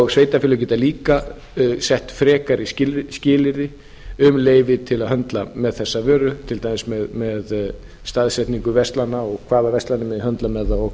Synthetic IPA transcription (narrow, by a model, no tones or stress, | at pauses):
ɣsveːjt̪afɪlʏcɛːt̪aliːka | sɛht̪fɾɛːkaɾɪscɪscɪːlɪɾɪ | ʏmleːjvɪt̪ʰɪlaðɦœnt̪lamɛðθɛsːavœːɾʏt̪ʰɪlt̪amɪsmɛðmɛð | st̪aðsɛht̪niŋkʏvɛst̪lanːaɔɣkʰvaːðavɛst̪lanɪmɛðɪhœnt̪lamɛðaɔ